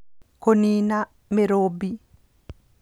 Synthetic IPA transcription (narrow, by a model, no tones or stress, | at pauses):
koniːna | mɛɾoːbi